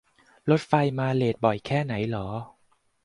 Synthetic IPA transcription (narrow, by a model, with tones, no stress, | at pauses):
lo˦˥t̪̚fa˧jmaː˧leː˨˩t̪̚bɔ˨˩jkʰɛː˥˩na˩˦jlɔː˩˦